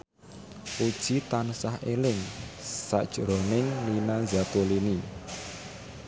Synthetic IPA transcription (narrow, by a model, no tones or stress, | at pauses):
ʔud̥ʒ̥it̪ansahelɪŋsaʔd̥ʒ̥̤ɾonɪŋlinazat̪olini